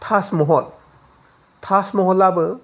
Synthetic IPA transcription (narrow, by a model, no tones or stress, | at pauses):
tʰasmɔɦɔl | tʰasmɔɦɔlabɯ